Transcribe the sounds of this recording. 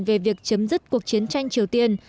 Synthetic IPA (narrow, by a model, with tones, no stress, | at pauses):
nve˨˩vi˨˩ək̚t͡ɕə˨˦mzɨ˦˥t̚ku˨˩ək̚t͡ɕi˨˦ənt͡ɕa˧jŋ̟t͡ɕi˨˩əwt̪i˧ən